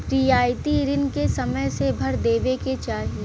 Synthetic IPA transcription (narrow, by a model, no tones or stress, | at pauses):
pɾɪjaːjt̪iɾɪnkesɐməjsebʱɐɾd̪eːʋeket͡ʃaːɦie